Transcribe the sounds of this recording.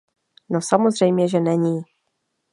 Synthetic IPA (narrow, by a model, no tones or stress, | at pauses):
nosamozr̝ɛjmɲɛʒɛnɛɲiː